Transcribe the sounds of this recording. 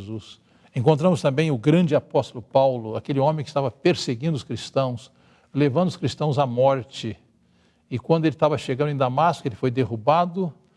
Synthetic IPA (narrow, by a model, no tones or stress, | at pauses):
zus | ẽŋk̬õnt̪ɾɐ̃mʊst̪ɐ̃mbẽj̃ʊɡɾɐ̃d͡ʒɪapɔst̪ʊlʊpawlʊakelɪõmẽkɪst̪avɐpeɾseɡĩnd̪ʊskɾist̪ɐ̃w̃s | levɐ̃nd̪ʊskɾist̪ɐ̃w̃zamɔɾt͡ʃɪ | ɪkwɐ̃nd̪ʊelɪt̪avɐʃeɡɐ̃d̪ʊẽd̪amaskʊelɪfojd̪ehubad̪ʊ